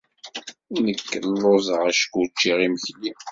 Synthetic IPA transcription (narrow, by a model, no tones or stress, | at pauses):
inəkːənlːozˤəʁæʃkut͡ʃːiʁiməçli